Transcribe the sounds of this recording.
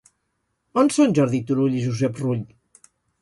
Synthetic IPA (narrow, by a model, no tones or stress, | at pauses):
ɔnsonʲʒɔɾðit̪uɾuʎiʒuzɛpruʎ